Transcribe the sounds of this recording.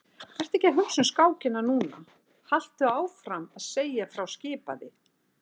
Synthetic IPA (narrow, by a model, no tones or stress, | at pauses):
fajr̥t̪ɛcːaɦʏksʏnskaːwcɪnːanuːna̰ | hal̥t̪ʏaːwfɾamaðseːjafɾawscɪːpa̰ðɪ